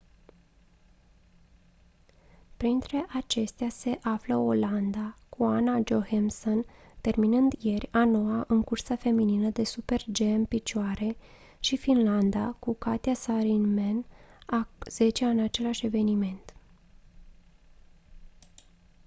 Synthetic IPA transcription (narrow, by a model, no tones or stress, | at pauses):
pɾint̪ɾe̞ʔat͡ʃe̞st̪ease̞ʔafləoland̪akuanad͡ʒo̞hemson | t̪e̞rminɨnd̪je̞rʲano̞aʔɨŋkursafe̞mininəd̪e̞supe̞rd͡ʒe̞mpit͡ʃoaɾe̞ | ʃifinland̪akukat̪ijasaɾinmenaz̥e̞t͡ʃeaɨnat͡ʃe̞laʃʲe̞ve̞nime̞nt̪